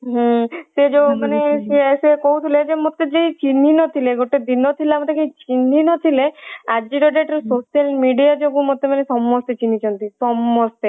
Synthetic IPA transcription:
ɦĩsed͡ʒobumanesesekoɦut̪ʰiled͡ʒemot̪ed͡ʒeit͡ʃininɔt̪ʰileɡoʈed̪inɔt̪ʰilamɔt̪ekeit͡ʃininɔt̪ʰilead͡ʒiɾɔɖeʈɾesosialmiɖijad͡ʒobumot̪ːemanesɔmːɔst̪et͡ʃinit͡ʃʰɔnt̪isɔmːɔst̪e

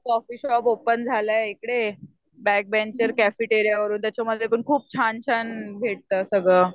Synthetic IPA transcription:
sɔfiɕɔpopənd͡zʱaləekɽe | bæk̚bɛ̃nt͡ɕəɾkæfiʈeɾjaʋəɾuːnt̪jat͡ɕaməd̪ʱjepəɳkʰuːp̚t͡ɕʰant͡ɕʰanɡʱeʈ̚t̪əːsəɡɭə

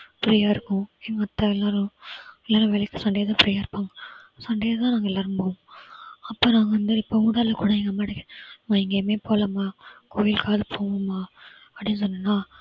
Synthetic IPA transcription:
pɪɾijaːɪɾɯkːʊ̃ɛŋɡɐɐt̪ːɐɛlːãːɾɛlːaːɾɐ̃ʋɛlɐkːɐsɐɳɖejɐt̪ãːpɪɾiːjaːɪɾɯpːaːŋɡɐsɐɳɖejɐt̪ãːnaːɡɐɛlːaːɾɯ̃mpõːŋɐpːoːnaːŋɡɐʋɐnd̪ɯɪpːoːmuɽaːɾlɐkʊɽɐɛŋɡɐmaːɪɽɐkːmaːɪŋɡeːmeːpoːlɐmaːkʰoːjɪlkaːðɯpʰoːmɐmaː | ɐpːɽɪnːɯs̬ɔnːɐnːaː

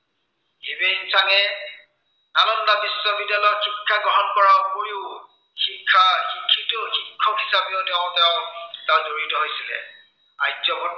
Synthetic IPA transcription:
hibensaŋɛ | nanɔndabisːɔbidalɔjxikʰːaɡɔɦɔnkɔɹakoɹiʊ | xikʰːahikʰːitʊxikʰːɔɦisapiʊtɛʊ̃tɛʊ̃tazoɹitɔɦojsilɛ̰ | a̰jzɔbɔ

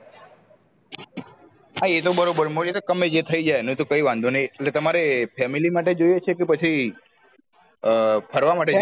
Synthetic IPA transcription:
aiet̪obəɾobəɾmoliet̪okəmed͡ʒet̪ʰəid͡ʒajnũt̪okəiʋãnd̪ʱunəjeeʈlet̪əmaɾepʰɛmilimaʈed͡ʒojet͡ʃʰekepət͡ʃʰi | pʰəɾʋamaʈe

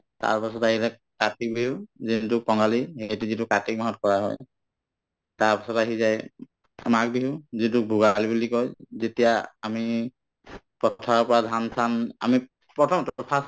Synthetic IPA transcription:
ta̰ɹpasɔtaɦiɾɛ | katik̚bʱiɦʊ̃zintʊkɔŋɡalihejtuzitukatik̚maɦɔt̚kɔɹaɦɔ̰j | taɹpasɔtaɦizaj | mak̚biɦʊ̃zint̬uk̚bʱuɡalibulikɔjzetijaami | pɔtʰaɹɔpɔɹadʱansana̰mi | pɹɔtʰɔmtpʰas

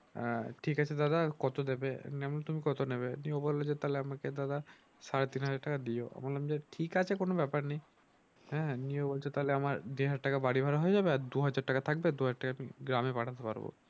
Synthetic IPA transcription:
ʈʰikat͡ɕʰed̪ad̪akɔt̪od̪ebenɛmonet̪umikɔt̪oneβeniobɔlod͡ʑet̪aleamaked̪ad̪a | saɾet̪inɦad͡ʑaɾʈakad̪ioʔa̰malamd͡ʑeʈʰikat͡ɕʰekonobɛpaɾnej | ɦɛniobolt͡ʃʰet̪aleamaɾd̪iɦad͡ʑaɾʈakabaɽibʱaɾaɦoed͡ʑabeaɾd̪uɦad͡ʑaɾʈːakat̪ʰak̚bed̪uɦad͡ʑaɾʈːakaamḭɡɾamepaʈʰat̪epa̰ɾbo̰

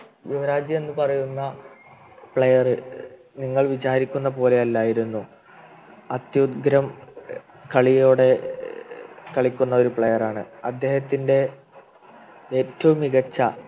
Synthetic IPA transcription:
ɡumɐɾaːd͡ʑjie̞nːɨpɐrɐjunːɐ | pɭejɐrɨ | niŋːɐɭʋit͡ɕaːɾikʲːunːɐpo̞ːle̞ɐlːaːjiɾunːu | ɐt̪jud̪ɡɾɐm | kɐɭijjo̞ːɽe̞ | kɐɭikʲːunːɐo̞ɾupɭejɐraːɳɨɐd̪ːe̞ːhɐt̪ːinde̞ | eːtːɐʋumiɣɐt͡ɕːɐ

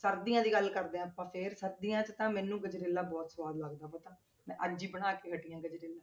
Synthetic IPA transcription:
səɾd̪ijãːd̪iːɡəlkəɾd̪ẽːpãːpʰeɾsəɾd̪ijãːt͡ʃt̪ãːmɛːnũːɡəd͡ʒɾeːlːaːbɔːt̪sʋaːd̪ləɡd̪aːpət̪ãː | mɛ̃ːʔəd͡ʒiːbəɽaːkeːɦəʈijãːɡəd͡ʒɾeːlãː

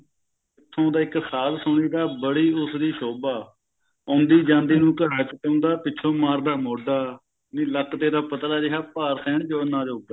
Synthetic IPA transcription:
ɪt̪ʰːõːd̪aːɪksaːzsʊɳ̃iːd̪aːbəɽiːʊsd̪iːsoːbaː | ʊ̃nd̪iːd͡ʒãːnd̪iːnũːkəɽaːt͡ʃkeʊ̃nd̪aːpɪːt͡ʃʰõːmaːɾd̪aːmoːɖaː | niːləkt̪eːd̪aːpət̪ɾaːd͡ʒɪɦaːpaːɾsʰɛːɳt͡ʃoːnãːd͡ʒoːɡd̪aː

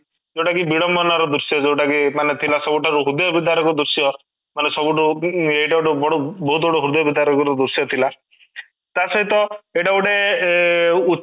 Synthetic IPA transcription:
d͡ʒewʈakibiɽɔmbɔnaɾɔd̪ɾusijɔd͡ʒewʈakimanet̪ʰilasɔbuʈaɾuɦud̪jɔbid̪aɾɔkud̪uɾsijɔ | manesɔbuʈueiʈauʈubɔɽɔbɔɦut̪̚bɔɽɔɦud̪jɔbid̪aɾɔkɔɾɔd̪uɾsijɔt̪ʰila | t̪asɔɦit̪ɔeʈauʈe | u

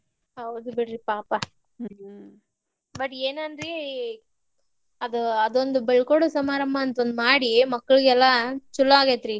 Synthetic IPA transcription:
ɐwd̪ubiɽɾipaːpa | bɐʈːeːnɐnd̪ɾi | ɐd̪uɐd̪ond̪ubeɭkoːɽusɐmaːɾɐmbʱɐːnt̪ond̪umaːɽimɐkːɐɭiɡɛlːat͡ʃulːɐaːɡet̪ɾi

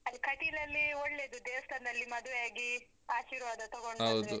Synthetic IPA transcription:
ɐɾikɐʈilɐlːioɭːe̞ːd̪ud̪ɛːʋɐst̪ʰɐnd̪ɐlːimɐd̪uʋɛjaːɡi | aːʃiːɾʋaːd̪ɐt̪ɐɡoɳɖɦɐwdɾeu

